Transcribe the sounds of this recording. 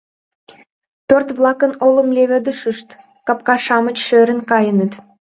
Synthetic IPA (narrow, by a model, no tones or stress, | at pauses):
pørt̪βlɑkənolə̆mlʲeβə̆d̪əʃəʃt̪ | kɑp̚kɑʃɑmət͡ɕʃøɾə̆nkɑjənət̪